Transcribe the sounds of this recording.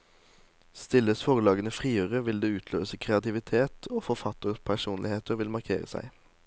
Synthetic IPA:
st̪ɪləsfɔːʁəlɑːɡənəfʁiːøːʁəʋɪld̪eːʉːt̪ʰlø̰ːsəkʰʁɛɑt̪ɪʋɪt̪ʰeːt̪ʰoːfɔʁfɑt̪əʁpʰæʃuːnlɪheːt̪əʁʋɪlmɑʁkʰḛːʁə̰sæ̰ɪ

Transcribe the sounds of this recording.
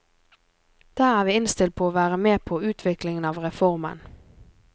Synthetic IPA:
d̪̥æːʁæːʁʋiːɪnst̪ɪlt̪̚pʰoːoːʋæːʁəmeːpʰoːʉːt̪ʰʋɪklɪŋənɑːʋʁɛfɔʁmə̰n

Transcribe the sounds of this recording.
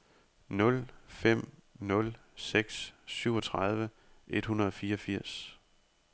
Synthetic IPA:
nɔ̽lfem̰nɔ̽l | seɡ̥sːyʊ̰ɒ̽t͡sʰʁɑð̞ˠʋə | ʔe̝d̥hunɐð̞̩ˠɒ̽fiːɐɒfiɐ̰s

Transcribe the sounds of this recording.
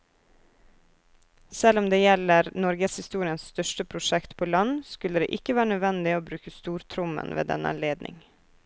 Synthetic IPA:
sɛlɔmd̪eːjɛləɾnɔɾɡəshɪst̪uːɾɪənsst̪œʃtəpʰɾʊʃɛkt̪pʰoːlɑnskʉləd̪ḛːʔɪkəʋæːɾənœd̪ʋɛnd̪ɪoːbɾʉːkəst̪uːɾt̪ʰɾʊmə̰nʋḛːd̪ɛ̰nə̰ɑ̰nleːd̪nʔɪ̰ŋ

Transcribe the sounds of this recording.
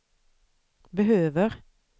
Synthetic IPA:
bəhøːʋəʁ

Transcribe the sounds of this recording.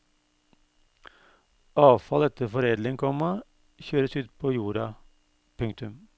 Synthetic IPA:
ɑːʋfɑlɛt̪əfɔɾeːd̪lɪŋkʰɔmɑ | çøːɾəsʉːt̪pʰoːjuːɾɑ | pʰʉŋkt̪ʉm

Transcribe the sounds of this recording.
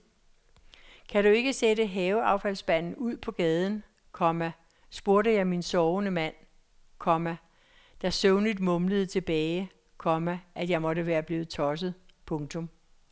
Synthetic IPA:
kʰæɾue̝ɡ̥əsedəɦɛːʊɑ̈ʊfæl̰sb̥æn̰n̩uð̰ˠpʰɒ̽ɡ̥ɛːð̞ˠən̩ | kʰɒ̽mæ | sb̥o̝ɐɾəjɑ̈ɪminsɒːʊnəmæn̰ | kʰɒ̽mæ | d̥ɑsøʊnid̥mɔ̽mləð̞ˠt͡sʰe̝b̥ɛːɪ | kʰɒ̽mæʔæd̥jɑ̈ɪmɒ̽ɾəʋæːɐb̥liːʊt͡sʰɒ̽s̬əð̞̩ˠpʰɔ̽ŋt͡sʰɔ̽m

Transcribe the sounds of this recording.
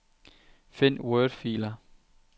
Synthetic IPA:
fen̰wɜːld̥fḭːlɐ

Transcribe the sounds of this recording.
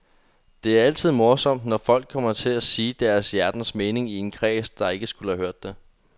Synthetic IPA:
d̥e̝æɐæl̰t͡sʰið̞̰ˠmo̝ɐsɒ̽m̰d̥nɒfɒ̽l̰ɡ̥̚kʰːɒ̽m̰ɐt͡sʰe̝læsiːd̥æɐsjæɐd̥n̩sme̝ːne̝ŋie̝nkʰʁɛ̰ːsd̥ɑ̈e̝ɡ̥əsɡ̥uləhæhøɐ̰d̥ːe

